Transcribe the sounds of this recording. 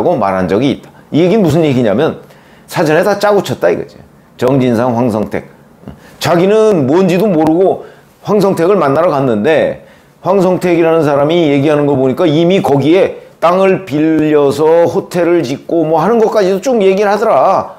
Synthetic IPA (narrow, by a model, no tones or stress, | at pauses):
ɡoma̰ɾɦand͡ʑʌɡiːt̚t͈ḁije̞ɡinɯnmusʰɯnje̞ɡiɲamjʌn | sʰad͡ʑʌne̞tat͡ɕ͈aɡut͡ɕʰʌt̚t͈aḭɡʌ̰d͡ʑio | t͡ɕʌŋd͡ʑinsʰaŋɸwaŋsʰʌŋtʰe̞̰k̚ | t͡ɕaɡinɯnmuʌnd͡ʑidomoɾɯɡo | ɸwaŋs̬ʰʌŋtʰe̞ɡɯɭmanːaɾakanːɯnde̞ | ɸwaŋs̬ʰʌŋtʰe̞ɡiɾanɯns̬ʰaɾamije̞ɡiɦanɯnɡʌɭpoɲik͈aimikʌɡie̞t͈aŋɯɭpiʎːʌsʰʌɸotʰe̞ɾɯɭt͡ɕik̚k͈omwʌɦanɯnɡʌk͈ad͡ʑidot͡ɕomje̞ɡiɯɭhadʌɾa